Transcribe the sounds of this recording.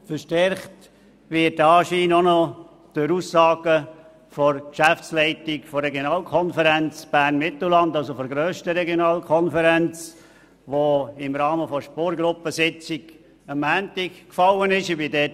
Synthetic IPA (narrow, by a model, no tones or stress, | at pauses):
fəɾʃtɛɾχt | vɪt̚ːɑːʃiːnɔnɔ | d̥øɾuːsːɑːɡ̥ə | fɔɾkʃæft͡sslɛɪtɪkfɔɾɛɡjonɑːlkʰɔnfəɾænt͡sb̥æːrnmɪtl̩lɑndɑlsofɔɾɡɾøːʃtəɾɛɡjonɑːlkʰɔnfəɾænt͡s | ʋoɪmɾɑːməfɔʃpɔːɾɡɾʊpəsɪt͡sɪɡ | əmːæːntɪkkfɑlːənɪʃɪbidɛːt